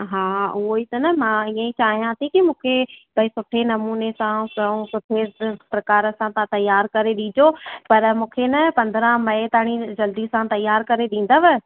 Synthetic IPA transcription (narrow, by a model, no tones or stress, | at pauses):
ɦaːʊɦoit̪ɐnɐmãːiːə̃ĩt͡ɕaːɦijãsĩkimũːkʰebɐisʊʈʰenɐmuːnesãsɐ̃sʊʈʰepɾɐkaːɾə̆sãt̪ãt̪ɐjːaːɾkɐɾeɗiːd͡ʑopɐɾmũːkʰenɐpɐ̃nd̪ɾə̃mɐet̪aːɽ̃id͡ʑɐld̪isãt̪ɐjːaːɾkɐɾeɗĩːn̆d̪əʋɪ